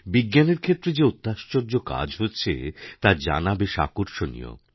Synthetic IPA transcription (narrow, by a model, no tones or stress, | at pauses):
biɡːaneɾkʰet̪ːɾed͡ʑeut̪ːaʃt͡ɕoɾd͡ʑoka̰d͡ʑɦotːɕʰḛt̪aɾd͡ʑa̰nabeʃa̰koɾʃonḭjo̰